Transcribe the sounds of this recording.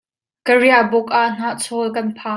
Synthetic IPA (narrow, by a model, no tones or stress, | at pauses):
kəɹiabʊk̚ʔaʔn̥aʔt͡sʰɔlk̬ɐnpʰaː